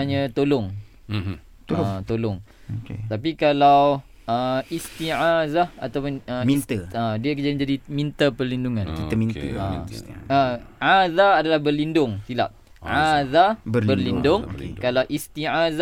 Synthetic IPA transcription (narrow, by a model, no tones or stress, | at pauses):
aɲat̪olʊŋ | t̪olɔŋ | okḛt̪ap̬ikalaw | əist̪iʕazaa̰t̪awpʊnəmint̪əədiəkd͡ʒadɪnd͡ʒadimĩnt̪əpərlinduŋãnkit̪amĩnt̪ə̰aəʔaðaːdalahbərlindʊŋsila̰p̚ | ʕaðabbərlindʊŋkalawʔist̪iaza